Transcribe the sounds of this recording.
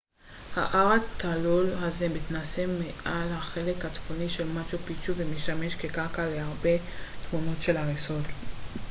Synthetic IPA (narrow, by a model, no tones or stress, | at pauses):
ha̰ʔaʁat̪ʰalulɦaze̞mit̪nasemːeʔalhaχe̞le̞khat͡sfoniʃe̞lmaʃupit͡ʃuvemeʃame̞ʃkekaʁkaleaʁbe̞t̪muno̞tʃe̞laʁeso̞l